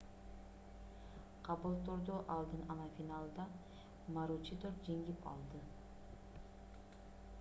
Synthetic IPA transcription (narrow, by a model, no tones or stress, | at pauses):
qʰɑβɯlˠt̪ʰoɾd̪oʔɑlˠd̪ɯnɑnɑfʲinɑlˠd̪ɑ | maɾut͡ʃit̪oɾd͡ʒeŋɡipɑ̰lˠd̪ɯ